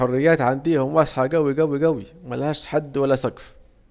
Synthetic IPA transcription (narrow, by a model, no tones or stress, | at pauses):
orːɪjːæːt̪ʕand̪iːhʊmwɑsˤħɑɡæwiɡæwiɡæwimælhæːʃħad̪ːwælːæsɑɡf